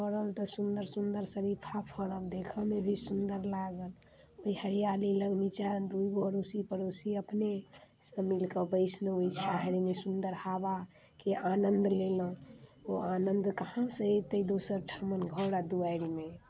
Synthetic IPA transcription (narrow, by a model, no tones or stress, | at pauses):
pəɾəlt̪ɔsund̪əɾsund̪əɾsəɾipʰapʰəɾəld̪ekʰəmebʱisund̪əɾlaɡəl | oihəɽijaliləɡnit͡ʃad̪uiɡoɦəɾosipəɾosiəpnesə̃milkəbəɪsnəoit͡ʃʰaɦɾimesund̪əɾhaba | keʔanənd̪lelə̃oanənd̪kəhãsə̃t̪əid̪osəɾʈʰamənɡʱəwɽad̪uaɾime